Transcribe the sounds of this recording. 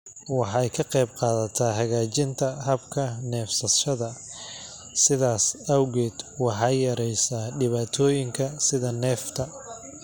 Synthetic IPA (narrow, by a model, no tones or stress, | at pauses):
wɑħɑjkʰɐqɛjbqɑːðɐt̪ʰaːɦɐɣaːt͡ʃɪnt̪ʰɐhɐbkʰɐnɛːfsɐʃɐðɐ | sɪðaːsɐwɣɛːd̪̥wɑħɑːjɐɾɛjsaːɖɪβaːt̪ʰɔːjɪŋkʰɐsɪðɐnɛːft̪ʰɐ